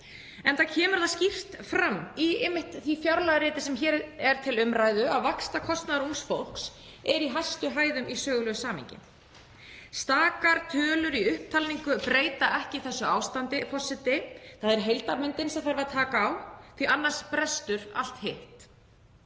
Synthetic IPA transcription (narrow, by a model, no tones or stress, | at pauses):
ɛnθacʰɛːmʏɾ̥θascɪft̪fɾamːiɪmːɪht̪θvifjawɾlaɣɾɪːt̪ɪsɛmçɛːɾɛɾ̥t̪ʰɪlʏmɾaːjðʏawvakst̪akʰɔst̪naðɾunsfowl̥ks | ɛɾiɦajst̪ʏɦaːjðʏmisœːɣʏlœɣsaːmḭɲcɪ̰ | st̪aːkaɾ̥t̪ʰœːlʏɾiʏhp̚t̪ʰalniŋkʏpɾeːjt̪aʔɛhcɪθɛsːʏaːwst̪ant̪ɪpʰɔsːɪt̪ɪθaðɛɾɦejlt̪apmɪnt̪ɪnsɛmθaɾvat̪ʰaːkaːwθianːar̥spɾɛst̪ʏɾa̰l̥t̪heht̪